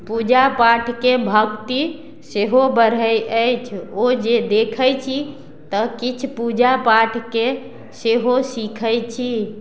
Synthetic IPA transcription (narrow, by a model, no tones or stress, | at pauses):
pud͡ʒapaʈʰkebʱəkt̪i | seɦobəɾ̤əjəjt͡ʃʰod͡ʒed̪ekʰəjt͡ʃʰi | t̪əkit͡ʃʰpud͡ʒapaʈʰke | seɦosikʰəjt͡ʃʰi